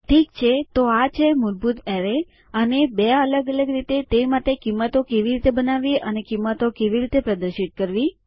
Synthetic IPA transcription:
ʈʰikt͡ʃʰet̪oat͡ʃʰemʊɾbut̪ɛɾe | ənebeələɡələɡɾit̪et̪emat̪ekimːət̪okeʋiɾit̪ebənaʋiʔənekimːət̪okeʋiɾit̪epɾəd̪əɾʃit̪̚kəɾʋi

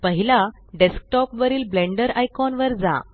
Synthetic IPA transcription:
pəɦila | ɖesk̚ʈɔpʋəɾiːlblẽɳɖəɾajkɔnʋəɾd͡za̰

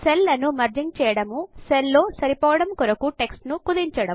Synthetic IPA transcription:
selːɐnumɐɾd͡ʒiŋt͡ʃɛːjɐɽɐmuselːo̞ːsɐɾipɔːʋɐɽɐmkɔɾɐkuʈe̞ksʈnukud̪iɲt͡ʃɐɽɐm

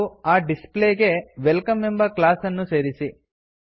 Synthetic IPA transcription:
aːɖispleːɡe̞ʋelkɐmembɐklaːsɐnːuse̞ːɾisi

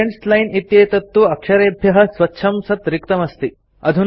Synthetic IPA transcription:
eɳʈslɐjnit̪jeːt̪ɐt̪ːuɐkʂɐɾeːbʱjɐɦɐ̆sʋɐtːʃʰɐmsɐt̪ɾikt̪ɐmɐst̪i | ɐd̪ʱun

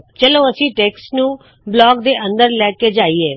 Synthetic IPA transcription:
t͡ʃəloːəsĩːʈeːksʈnũː | blɔːkd̪eːʔə̃nd̪əɾlɛːkeːd͡ʒaːiːɛː

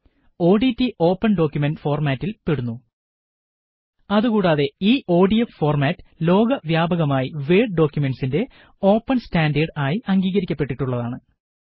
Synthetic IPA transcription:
o̞ːɖitːiʔo̞ːpːɐnɖo̞ːkʲjumenɖfo̞ːrmaːtːilpeɽunːu | ɐðukuːɽaːðe̞iːʔo̞ːɖijeffo̞ːrmaːtːɨ̥lo̞ːɡɐʋjaːbɐɣɐmaːjiʋeːɖɖo̞ːkʲjume̞ɳɖsinde̞ | o̞ːpːɐnstaːndɐɖaːjiʔɐŋɡiːɣɐɾikʲːɐpːe̞ʈːiʈːuɭːɐðaːɳɨ

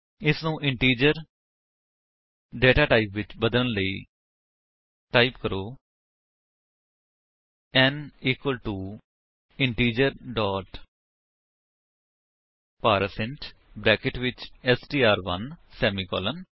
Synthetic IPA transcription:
ɪsnũːʔɪɳʈiːd͡ʒəɾ | ɖeːʈaːʈaːipʋɪt͡ʃbəd̪ələnləiː | ʈaːipkəɾoː | ɛ̃ːniːkwəlʈuː | ɪɳʈiːd͡ʒəɾɖɔːʈ | paːɾəsɪ̃ɳʈ | bɾɛːkɪʈʋɪt͡ʃɛsʈiːaːɾʋə̰nsɛːmiːkɔ̰ːlən

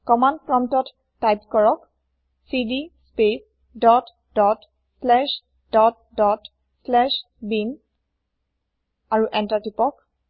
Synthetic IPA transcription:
kɔmandpɹɔmtɔtː | ajpkɔɹɔk | sidispes | dɔt | dɔt | slɛʃ | dɔt | dɔt | slɛʃ | bin | aɹuʔɛntatipɔk

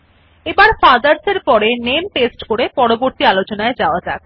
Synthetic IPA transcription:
ebaɾfad̪aɾseɾpɔɾenemʈesʈkoɾepɔɽoboɾt̪ialot͡ɕonaed͡ʑaoad͡ʑa

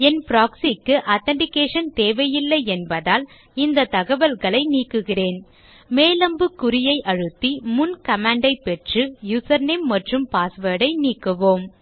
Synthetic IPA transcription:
ɛnpɾaːksikːɯʔaːt̪ɐɳɖɪkːeːʂɐnt̪eːʋɐjɪlːɐɪɛnbɐðaːl | ɪnd̪ɐt̪ɐɣɐʋɐlɣɐɭɐɪniːkːɯɣɪreːn | meːlɐmbɯkːʊɾɪjɐɪʔɐɻɯt̪ːimʊnkɐmaːɳɖɐɪpːɛʈrɯjʊsɐɾnɪmːɐʈrɯmpaːsʋeːɽɐɪniːkːɯʋoːm

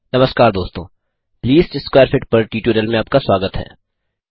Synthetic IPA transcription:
nɐməskaːɾd̪oːst̪õː | pliːsʈɪsːkwaːəɾfɪʈ̚pɐɾʈiːʈuːɾəlmẽaːp̚kaswaːɡət̪ɦɛ̰ː

